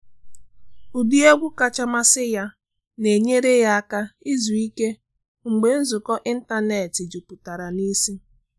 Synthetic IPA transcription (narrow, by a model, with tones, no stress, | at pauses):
u˨du˦e˦ɡʷʊ˦ka˨t͡ʃa˦ma˦sɪ˦ja˦ | ne˨ɲe˦ɾe˦ja˦a˦ka˦ɪ˦zu˨i˦ke˦ | ŋ̩˨ɡ͡be˨n̩˦zʊ˨kɔ˦ʔɪ˦n̩˦ta˦ne˨tɪ˨d͡ʒu˨pʊ˨ta˨ɾa˨ni˦si˦